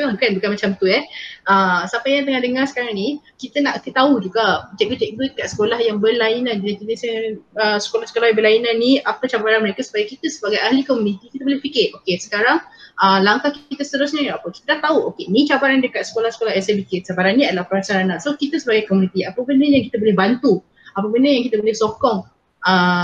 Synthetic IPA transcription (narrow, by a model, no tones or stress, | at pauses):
akanbukanmat͡ʃamt̪uɛəsapajaŋt̪əŋahdəŋarsə̥kaɾaŋni | kit̪ənaʔkət̪aud͡ʒuɡad͡ʒɛʔ̚ɡit͡ʃɛk̚bukat̪sə̥kolahjaŋbəlainãndat̪inisaəsə̥kolahsəkolahjãbəlainãnːiʔapət͡ʃabaɾanməɾekasu̥pajakit̪əsəbaɡajaɦlikomunit̪ikit̪əbolipikɪrʔokesə̥kaɾaŋəlaŋkahkit̪əsət̪əɾʊs̬ɲaapəki̥t̪ənaʔt̪auʔokenĩt͡ʃabaɾandəkat̪̚sə̥kolahsə̥kolaɦɛsabiket̪̚t͡ʃabaɾanːĩadəlahpəɾasaɾanasokit̪əsəbaɡajkomunit̪iapəbəndəjaŋkit̪əbolɛhbant̪u | apəbəndəjaŋkit̪əbolɛhsokɔŋ | ʔə